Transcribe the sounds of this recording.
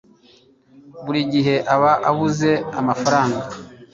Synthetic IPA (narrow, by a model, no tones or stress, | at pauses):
βuɾiɟiɦe̞ʔaβaʔaβuze̞amafaɾaːŋɡa